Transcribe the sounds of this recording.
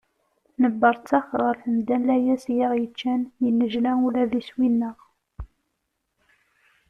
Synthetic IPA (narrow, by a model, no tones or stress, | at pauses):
nəbːɑɾˤt͡sːɑχʁəɾfəmd̪ælæjæsjiʁjət͡ʃːænjənːəʒlæulæðiswinːəʁ